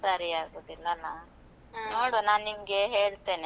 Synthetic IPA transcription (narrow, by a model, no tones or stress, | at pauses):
saːɾiaːɡoːd̪ilːɐnaːnu | noːɽonaːnnimɐɡeɦeːɭt̪e̞ːne